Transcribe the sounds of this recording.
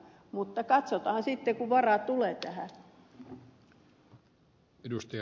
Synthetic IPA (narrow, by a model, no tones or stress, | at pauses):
mut̪ːɑkɑt̪sot̪ɑhɑnsit̪ːekuʋʋɑrɑˑt̪uleːt̪æhæ̰ | edust̪i